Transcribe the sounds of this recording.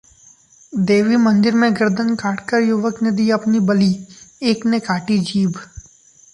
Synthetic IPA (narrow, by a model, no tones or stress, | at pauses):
d̪eːʋimɐ̃nd̪ɪɾmẽɡɪɾd̪ənkaːʈʰkəɾjʊʋəkned̪iːɐpnibɐlieːknekaːʈid͡ʒiːb